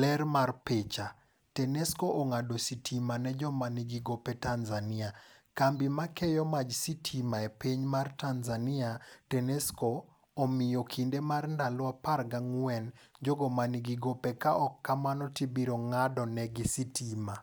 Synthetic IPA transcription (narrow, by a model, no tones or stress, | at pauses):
lɛrmarpet͡ʃa | tɛnɛskoʔɔŋadositʰimanɛd͡ʒɔmaniɡiɡopɛtanzania | kambimakɛjɔmad͡ʒsitʰimaɛpeɲmartanzaniatɛnɛskoː | mɪjɔkʰindemarndalɔaparɡaŋwɛnd͡ʒɔɡɔmaniɡiɡopɛkaʔɔkːamanɔtibiɾoŋadɔnɛɡisitima